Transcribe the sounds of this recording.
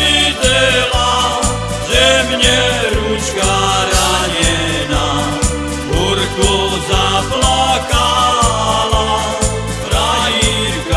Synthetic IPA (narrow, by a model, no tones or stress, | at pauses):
id̪ɛla | ʒɛmɲɛɾuʃkaɾaɲɛ | na | pɔɾkɔzaplaka | la | t̪ɾaji | ɾk